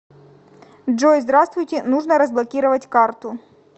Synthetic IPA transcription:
dʐojzd̪ɾast̪vʊjtʲɪnuʐnəɾəzblˠɐkʲiɾəvɐtʲkart̪ʊ

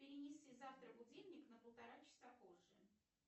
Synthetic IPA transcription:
pʲɪɾʲɪnʲɪsʲizaft̪ɾəbʊdʲelʲnʲɪknəpəlˠt̪ɐɾat͡ɕɪ̥sapoʐːɨ

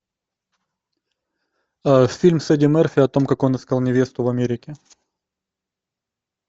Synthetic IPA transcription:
afʲilʲmsɛdʲɪmɛrfʲɪɐt̪o̞mkɐko̞nɨskalˠnʲɪvʲe̞st̪ʊvɐmʲeɾʲɪkʲɪ

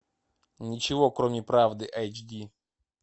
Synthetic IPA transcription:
nʲɪt͡ɕɪvo̞kɾomʲɪpɾavd̪ɨʔajt͡ɕdʲi

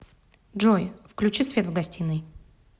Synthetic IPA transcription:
dʐojfklʲʉt͡ɕisvʲe̞t̪vɡɐsʲtʲinːɨj

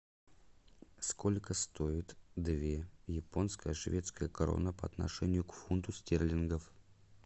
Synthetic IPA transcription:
sko̞lʲkəst̪o̞ɪt̪d̪vʲejɪpo̞nskəjəʂvʲet̪skəjəkɐɾo̰nəpəɐt̪nɐ̰ʂɛnʲɪjʊkfunt̪ʊsʲt̪ʲerlʲɪnɡəf

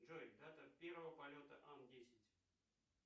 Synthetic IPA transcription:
ʐoɪkd̪at̪əpʲervəvəpɐlʲot̪əʔandʲesʲɪtʲ

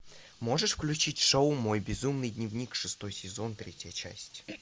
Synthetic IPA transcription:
moʐɨʂfklʲʉt͡ɕitʲʂoʊmo̞jbʲɪzumnɨjdʲnʲɪvnʲikʂɨst̪o̞jsʲɪzo̞nt̪ɾʲetʲɪjət͡ɕæ̰sʲtʲ

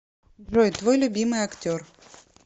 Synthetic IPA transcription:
ʐɔjt̪vojlʲʊbʲimɨjɐktʲor

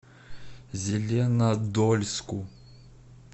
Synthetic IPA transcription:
zʲelʲɛnad̪ɔlʲsku

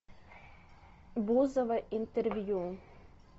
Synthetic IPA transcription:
buzɐvɐʔint̪ɛrvʲju

